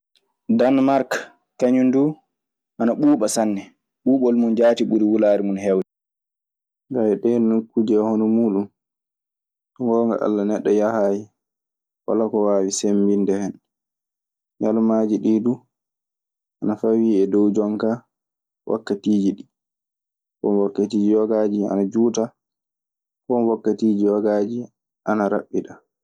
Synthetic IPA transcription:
danmaɾkː | aɲundu | ʔanaɓuːɓasanːɛ | ɓuːɓɔlmund͡ʒaːtiɓuɾiwulaːɾimunhɛwɛ | ɡawɛɗɛnukːud͡ʒɛhɔnɔmuːɗun | tɔŋɡɔːŋɡa̰ʔa̰lːanɛɗːɔjahaːji | wa̰lakɔwawisembindɛhɛn | ɲalmad͡ʒiɗidu | ʔanafawiːɛdɔwd͡ʒɔŋka | wa̰kːatiːd͡ʒiɗi | kɔ̰mwakːatiːd͡ʒiwaɡad͡ʒia̰nad͡ʒuːta | kɔnwakːatiːd͡ʒiwaɡad͡ʒi | ʔanaɾa̰ɓːiɗa

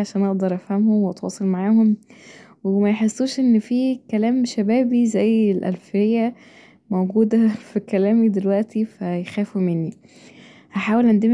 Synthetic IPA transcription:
ʕaʃæːnʔɑʔd̪ɑɾˤʔæfhæmhomweʔɑt̪wɑ̰ːsˤɑlmaʕaːhomwemæjħesːuːʃʔenːfiːkælæːmʃæbæːbizæjːelʔæ̰lfejːæ | mowɡuːd̪æfikælæːmid̪elwæʔt̪ifæjxæːfumenːi | hæħaːwelʔand̪em

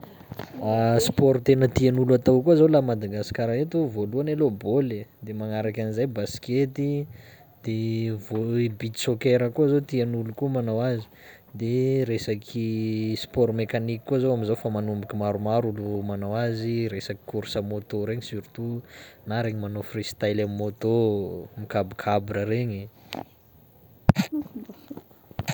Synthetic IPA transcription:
aspoɾt̪enət̪ianuluat̪awkuazowlamad̪aɡasi̥kʲaɾaet̪ovoluaneloboled̪emaŋaɾakʲanizajbasket̪i | d̪̥evoibit̪isokeɾəkuazot̪ianulukumanawazi̥ | d̪eɾesakʰispɔɾmekanikikːuazoamizofamanumbukʲimaɾumaɾulumanawaziɾesaki̥kuɾsəmot̪oɾeɲisyɾit̪unaɾeɲimanofrist̪ajlamimot̪omikabikʰabɾəɾeɲi

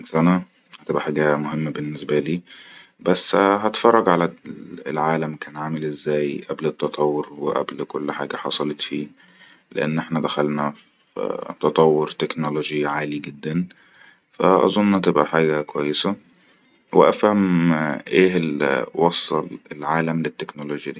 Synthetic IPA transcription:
nsænæ | hæt̪ebʔæħaːɡæmoɦemːæbenːesbæliːbæsːɦæt̪fɑrˤːɑɡʕalæḛlʕaːlæmkæːnʕaːmelʔezːæːjʔæblet̪ːɑt̪ˤʰɑwːoɾweʔæ̰blkolːħa̰ːɡæħɑ̰sˤɑlet̪fiː | lḛʔḛnːʔeħnæd̪æxælnæf | t̪ɑt̪ˤɑwːoɾt̪eknoloʒiʕaːliɡed̪ːæn | fæ̰ʔɑ̰zˤonːʔnæt̪ebʔæħaːɡækowæjːesæ | weʔæfhæmʔeːhelwɑsˤːɑ̰lelʕaːlæmlet̪ːeknoloːʒjæd̪i

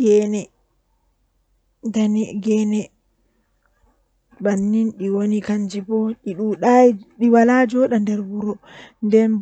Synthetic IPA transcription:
ɡɛnɛ | danɛɡɛnɛ | banːinɗiwonikand͡ʒibɔɗiɗuɗaɗiwalad͡ʒɔɗandɛɾwuɾɔndɛn

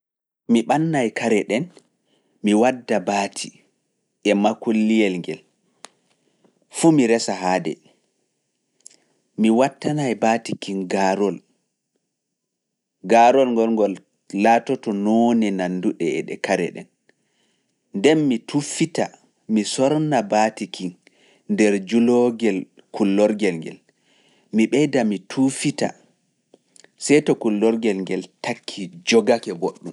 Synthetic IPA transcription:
miɓanːajkʰaɾɛɗɛn | miwadːabaːtʰi | ʔɛmakolːijɛlŋɡɛl | fumiɾɛsaɦaːdɛ̰ | miwatːanajbaːtikinɡaɾɔl | ɡaɾɔlŋɡɔlŋɡɔl | latɔtɔnɔnɛnanduɗɛɛ̰ɗɛ̰kaɾɛ̰ɗɛ̰n | ndɛnmitʰufita | misɔɾnabatikʰiŋ | ndɛɾd͡ʒulɔɡɛl | kulːɔɾɡɛlŋɡɛ̰l | miɓɛjdamitʰufita̰ | sɛjtɔkulːɔɾɡɛlŋɡɛltʰakʰːid͡ʒɔɡakɛɡoɗːum

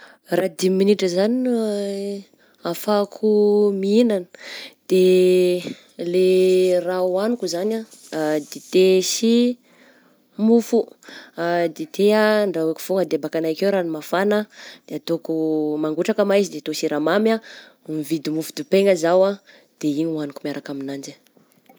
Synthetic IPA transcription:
rad̪iminiʈ͡ʂəzan | afakʰumiinanə̥d̪̥e | lerawanukuzanad̪et̪esi | mufuad̪et̪eaɳɖ͡ʐaekʲi̥foŋad̪eabakanakewɾanimafanəd̪̥eat̪okumaŋɡuʈ͡ʂakəmajzid̪et̪osiɾamama | mivid̪imufu̥d̪upeŋəzawa | d̪̥eiɲuanukumiaɾakaminand͡ʒi

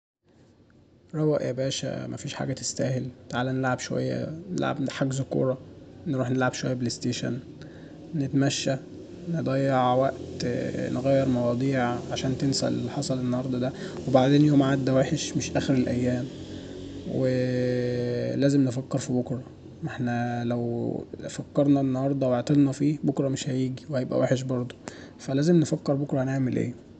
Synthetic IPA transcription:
ɾˤɑwæʔʔæ̰bæːʃæ̰mʔæ̰fiːʃħa̰ːɡæt̪e̥st̪æːhelt̪aʕaːlænːelʕabʃowæ̰jːæ̰nḛlʕa̰bħaɡzokṵːɾˤɑnɾuːħnelʕabʃowæ̰jːæbelest̪eːʃæ̰n | net̪mæʃːæ | ned̪ˤæjːeʕwæʔt̪neɣæːjːeɾmɑwɑːd̪ˤiːʕʕaʃæːnt̪ensæ̰lħɑsˤɑlenːɑhɑɾˤd̪ˤɑd̪æwebaʕd̪eːnjoːmʕad̪ːæwæːħeʃmeʃʔæːxeɾelʔæjːæːm | we | læːzemnefækːeɾfibokɾˤɑ | meħnælæwfækːɑɾˤnɑʔenːɑhɑɾˤd̪ˤɑweʕt̪ˤelnɑfiːbokɾˤɑmeʃhæjiːɡiwehæjebʔæ̰wæ̰ːħeʃ̬bɑɾˤd̪ˤo | fælæːzemnefækːeɾbokɾˤɑnaʕmelʔḛː

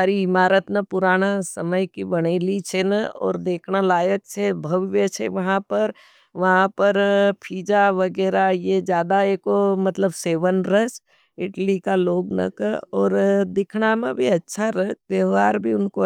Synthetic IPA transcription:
aːɾiɪmaːɾət̪napʊɾaːnasəməjkibɐɽ̃elit͡ʃʰenaɔ̰ːɾd̪eːkʰnalaːjək̚t͡ʃʰebʱɐʋjət͡ʃʰḛʋɐɦãpɐɾ | ʋɐɦãpəɾpʰiːd͡ʒaʋɐɡɛːɾajed͡ʒjaːd̪aeːkomɐt̪ləbseːʋənɾəs | ɪʈlikaloːɡnɐ̰kəɔːɾd̪ɪkʰnamẽbʱiɐtːʃʰaɾɐt̪eʋaːɾbʱiʊnko

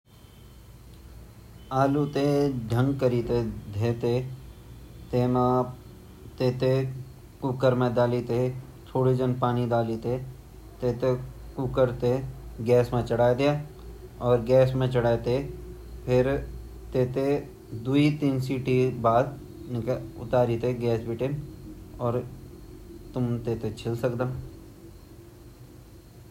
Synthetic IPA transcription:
aːlut̪eɖʱə̃ŋɡkəɾiːt̪ed̪ʱeːt̪e | t̪eːmã | t̪eːt̪e | kʊkəɾmẽd̪aːlit̪e | t͡ʃʰoːɽid͡ʒə̃npaːnid̪aːliːt̪e | t̪eːt̪ekukəɾt̪eɡɛːsmẽt͡ʃɐɽaːd̪eja | ɔːɾɡɛːsmẽt͡ʃəɽaːt̪e | pʰɪɾ | t̪eːt̪e | d̪uit̪iːnsiːʈibaːd̪ | nɪkʊ̰t̪aːɾit̪eɡɛːsbɪʈe | ɔːɾ | t̪ʊmt̪eːt̪et͡ʃʰɪlsəkd̪əm

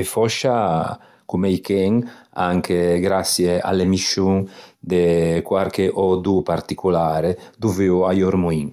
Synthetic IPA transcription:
efɔʃa | kumejkɛŋaŋkʰeɡɾasjea̰lemiʃuŋd̪ekwaɾkeʔɔd̪upaɾt̪ikulaːɾed̪uveuajɔɾmuiŋ

